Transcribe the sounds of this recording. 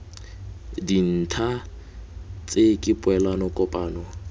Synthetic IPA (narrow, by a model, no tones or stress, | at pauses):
din̩tʰa | t͡sʼekʼɪpʼwɛlanɔkʼɔpʼaːnɔ